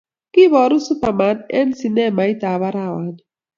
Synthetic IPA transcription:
kɪ˦bɔ˨ɾʊ˦su˦pa˨ma˨nɛ̰˦nsi˨nɛ˦˨ma˨i˦ta˨βa˦ɾa˦˨wa˨n

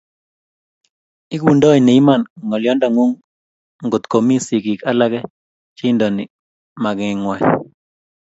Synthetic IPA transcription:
i˦k̬u˨ndɔ˦i˨ne˨i˦ma˨nŋɔ˨ljɔ˦nda˨ŋwu˦ŋ | ŋɡo˨t̪ko˨mi˦si˨ki˨ka˦la˦kɛ˦ | t͡ʃe˦ndɔ˨nɪ˨ | ma˨kŋ˨ŋwa˨

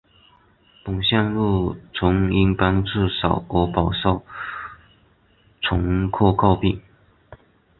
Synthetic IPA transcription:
pʊ˨˩ŋɕjɑ˥˧ŋlu˥˩t͡sʰʊ˧˥ŋi˥ŋpa˥nʈ͡ʂɻ̩˥˩ʂɑ˨˩ʊɔ˧˥pɑ˨˩ʊʂɑ˥˩ʊ | t͡sʰʊ˧˥ŋkʰɔ˥˧kʰɑ˥˧ʊpi˥˩ŋ

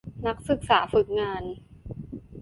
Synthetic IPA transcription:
na˦˥k̚sɯ˨˩k̚saː˩˦fɯ˨˩k̚ŋaː˧n

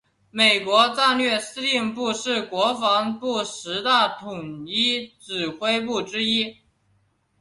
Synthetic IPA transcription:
me˨˩ɪkwɔ˧˥t͡sa˥˧nlɥɛ˥˩sɹ̩˥li˥˧ŋpu˥˧ʂɻ̩˥˩kwɔ˧˥fɑ˧˥ŋpu˥˩ʂɻ̩˧˥t̪a˥˩t̪ʰʊ˨˩ŋi˥ʈ͡ʂɻ̩˨˩xwe˥ɪp̬u˥˩ʈ͡ʂɻ̩˥i˥

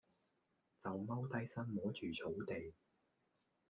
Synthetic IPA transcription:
t͡sɐ˨wmɐ˥wt̪ɐ˥jsɐ˥nmɔː˨˥t͡ʃʰyː˨˩t͡sʰo˨˥wt̪e˨j

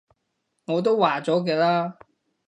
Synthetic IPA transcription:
ŋɔː˨˧t̪o˥wwaː˨˩t͡sɔː˨˥kɛː˧laː˥

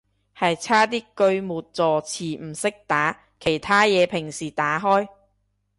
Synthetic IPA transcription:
hɐ˨jt͡sʰaː˥t̪iː˥kɵ˧ɥmuː˨˩t̚t͡sɔː˨˩t͡sʰiː˨˩m̩˨˩sɪ˥k̚t̪aː˨˥ | kʰe˨˩jt̪ʰaː˥jɛː˨˧pʰɪ˨˩ŋsiː˨˩t̪aː˨˥ɦɔː˥j

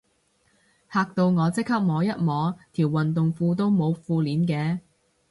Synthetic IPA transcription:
haː˧k̚t̪o˧wŋɔː˨˧t͡sɪ˥k̚hɐ˥p̚mɔː˨˧jɐ˥t̚mɔː˨˥t̪ʰiː˨˩wɐ˨nt̪ʊ˨ŋfuː˧t̪̬o˥wmo˨˧wfuː˧liː˨˥nkɛː˧

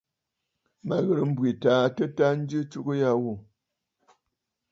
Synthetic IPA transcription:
ma˨ɣə˨ɾɨ˨m̩˦bwi˨taː˨˦tə˦ta˦n̩˦d͡ʒɨ˦t͡ʃu˦kɨ˦ja˦wo˨

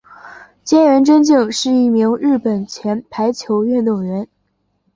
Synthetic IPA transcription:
t͡ɕjɛ˥nɥɛ˧˥nʈ͡ʂə˥nt͡ɕi˥˩ŋʂɻ̩˥˧i˥˩mi˧˥ŋɻɻ̩˥˩pə˨˩nt͡ɕʰjɛ˧˥npʰa˧˥ɪt͡ɕʰjo˧˥ʊɥɛ˥˩nt̪o˨˩ŋɥɛ˧˥n

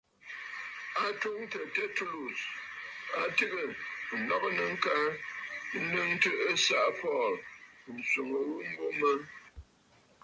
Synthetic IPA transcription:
a˨to˦ŋtə˨te˦tu˦lu˨s | a˨tɨ˦ɣə˨ɨ˨nɔ˦˨kə˦nə˨ŋ̩˦ka˦ɾn̩˦nɨ˦ŋ˦tɨ˦ʔə˦sa˨ʔpɔ˦˨ln̩˨su˨ŋə˨wu˦m̩˦bo˦mə˦n

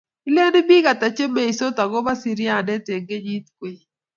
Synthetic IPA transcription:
i˦le˦n˦bi˦ka˨ta˨t͡ʃe˦me˦i˨so˦t̪a˨ɡo˦ba˦si˨ɾja˨nɛ˦te˨ŋɡe˦ɲi˦t̪̚kwe˨

